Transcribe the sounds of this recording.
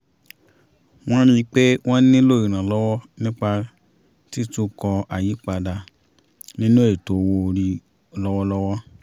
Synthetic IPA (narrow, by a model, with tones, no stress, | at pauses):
w̃ɔ̃˦ɾ̃ĩ˧˦k͡pe˦w̃ɔ̃˦n˦ĩ˦lo˦˨i˨ɾ̃ã˨lɔ˦wɔ˦nĩ˦k͡pa˧ | ti˦tũ˦kɔ˧a˨ji˨˦k͡pa˧da˧ | nĩ˦nũ˦e˨to˨wo˧ɾi˧ | lɔ˦wɔ˦lɔ˦wɔ˦